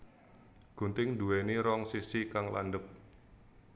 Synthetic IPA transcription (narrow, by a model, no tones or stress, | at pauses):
ɡ̥ṳnt̪ɪŋduwɛniɾɔŋsisikaŋla̰ndəp̚